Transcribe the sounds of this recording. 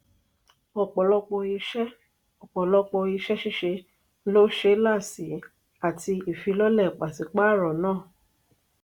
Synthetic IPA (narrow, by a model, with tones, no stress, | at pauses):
ɔ˨k͡pɔ˨lɔ˧k͡pɔ˧i˧ʃɛ˦ | ɔ˨k͡pɔ˨lɔ˧k͡pɔ˧i˧ʃɛ˦ʃi˦ʃe˧˦ | lo˦ʃe˦la˦˨si˨˦ | a˦˨ti˧i˨fi˧lɔ˦lɛ˦˨k͡pa˨si˨˦k͡pa˦˨ɾɔ˨nãː˦˨